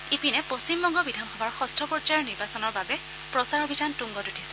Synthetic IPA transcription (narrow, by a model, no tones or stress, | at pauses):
epinɛpost͡ʃimbɔŋɡɔbidʱanxɔbaɹxɔstʰɔpɔtaɹniɹbasɔnɔɹbabɛ | pɹɔsaɹɔbʱitʰantuŋɡɔtutʰisɛ̥